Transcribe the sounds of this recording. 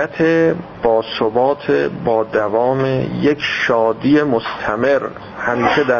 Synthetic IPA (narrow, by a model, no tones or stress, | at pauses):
æt̪ʰe | b̥ɒːsobɒːt̪ʰebɒːd̪ævɒːmejekʰʃɒːd̪ijemost̪ʰæme̞ɾ | hæmiːʃed̪æ